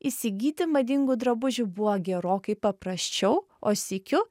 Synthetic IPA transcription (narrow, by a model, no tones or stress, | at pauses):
isʲɪɡʲiːt̪ʲɪmɐd̪ʲɪŋɡʊd̪ɾɐbʊʒʲʊbʊʋoɡʲɛɾoːkɐɪpɐpɾɐsʲt͡ʃʲɛʊ | oːsʲɪkʲʊ